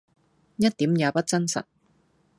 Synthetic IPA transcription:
jɐ˥t̚t̪iː˨˥mjaː˨˧pɐ˥t̚t͡sɐ˥nsɐ̰˨˩t̚

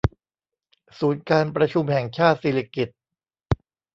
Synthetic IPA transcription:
suː˩˦nkaː˧npɾa˧t͡ɕʰu˧mhɛ˨˩ŋt͡ɕʰaː˥˩t̪̚siː˨˦la˧ki˨˩t̪̚

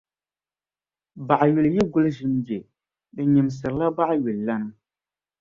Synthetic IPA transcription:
ba˨ʔa˨ɥu˨lɨ˨jɛ˦ɡʊ˦lɨ˦ʒɪ˦mbɛ˨ | dɨ˨ɲi˨m˨sɨ˨ɾɨ˨la˦ba˦ʔɥu˨lla˦nɨ˦

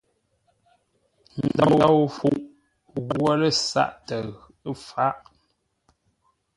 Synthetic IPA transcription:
n̩˨da˦˨wa˦wfu˦ʔ | ɣwə˦lə˦˨sa̰˦˨ʔtə˨ɣfa˦ʔ

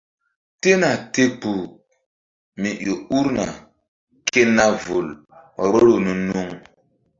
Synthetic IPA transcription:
te˦na˨te˦k͡pu˨ | mi˨jo˨u˦ɾna˨ | ke˦na˦vo˨l | ɾo˦ɾo˨nu˦nu˦ŋ

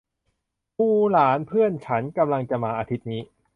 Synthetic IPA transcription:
pʰuː˧˥˩laː˩˦npʰɯ˥˩ənt͡ɕʰa˦˥nka˧mla˧ŋt͡ɕa˧˩maː˧ʔaː˧t̪ʰi˦˥t̪̚niː˦˥

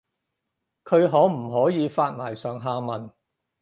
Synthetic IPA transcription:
kʰɵ˨˧ɥɦɔː˨˥m̩˨˩ɦɔː˨˥jiː˨˧faː˧t̚maː˨˩jsœː˨ŋɦaː˧mɐ˨˩n

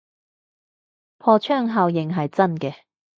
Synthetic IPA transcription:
pʰɔː˧t͡ʃʰœː˥ŋɦɐ˧wjɪ˨ŋɦɐ˨jt͡sɐ˥nkɛː˧

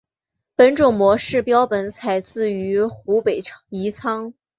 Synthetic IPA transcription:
pə˧˥nʈ͡ʂʊ˨˩ŋmwɔ˧˥ʂɻ̩˥˩pjɑ˥ʊpə˧˥nt͡sʰa˨˩ɪt͡sɹ̩˥˩y˧˥xu˧˥pe˨˩ɪi˧˥t͡sʰɑ˥ŋ

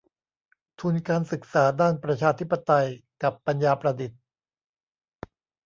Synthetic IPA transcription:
t̪ʰu˧nkaː˧nsɯ˨˩k̚saː˩˦daː˥˩npɾa˧t͡ɕʰaː˧t̪ʰi˦˥pːa˧t̪a˧jka˨˩pːa˧njaː˧pɾa˧di˨˩t̪̚

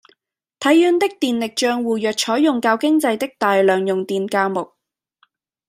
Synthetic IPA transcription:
t̪ʰɐ˨˥jːyː˨˧nt̪ɪ˥k̚t̪iː˨nlɪ˨k̚t͡ʃœː˧ŋwuː˨jœː˨k̚t͡ʃʰɔː˨˥jʊ˨ŋkaː˧wkɪ˥ŋt͡sɐ˧jt̪ɪ˥k̚t̪aː˨jlœː˨˩ŋjʊ˨ŋt̪iː˨nkaː˧mʊ˨k̚

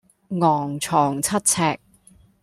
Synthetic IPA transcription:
ŋɔː˨˩ŋt͡ʃʰɔː˨˩ŋt͡sʰɐ˥t̚t͡sʰɛː˧k̚

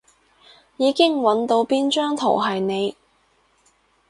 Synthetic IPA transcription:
jiː˨˧kɪ˥ŋwɐ˨˥nt̪o˧wpiː˥nt͡ʃœː˥ŋt̪ʰo̰˨˩wɦɐ˨jne˨˧j

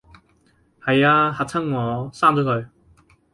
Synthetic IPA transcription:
hɐ˨jaː˧ha˨˧t̚t͡sʰɐ˥ŋŋɔː˨˧˥saː˥ŋt͡sɔː˨˥kʰɵ˨˧ɥ

